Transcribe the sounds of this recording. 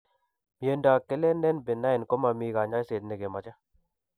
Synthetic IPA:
mje˨ndaː˨kːe˦le˦nɛ˦nbɪ˨na˦ɪ˨nko˦ma˨miː˧˦ka˨ɲa˦jse˨t̪̚ne˨ɡe˨ma˨t͡ʃa˦

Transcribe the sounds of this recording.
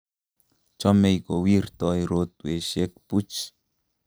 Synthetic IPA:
t͡ʃo˦me˧jko˨wi˦ɾt̪ojɾot̪weʃe˦k̚pu˦t͡ʃ

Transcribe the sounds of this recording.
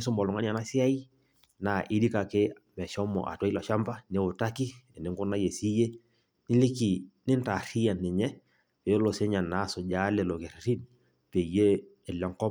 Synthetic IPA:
ɪ˦sʊ˦mbɔ˨lʊ˨ŋa˦n˦a˨na˦sɪ˦a˦i˦ | na˨ʔɪ˦di˦ka˨kɪ˦ | mɛ˨ʃɔ˦mɔ̰˨ʔa̰˨twa˦i˦lɔ˨ʃa˦mba˦ne˦ʊ˨ta˦ki˦ɛ˨nɪ˨˦ŋɡʊ˦na˦je˨si˦je˦ | nɪ˦li˦ki˨nɪ˦nta˨ri˦ja˨nɛ˨ɲɛ˦ | pe˨o˦lo˨se˦ɲa˨nːa˨˦˨sʊ˨d͡ʒa˦lɛ˨lo˨ke˨ɾɾi˦n | pe˨je˦ | ɛ˨lɔ˨ŋkɔ˦

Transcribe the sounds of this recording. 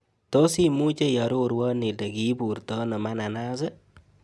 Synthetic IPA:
to˦si˦mu˦t͡ʃe˦jɔ˨ɾo˦ɾwɔ˦ni˨de˨ki˦pu˨rtɔ˦nɔ˨ma˦na˨na˦se˦

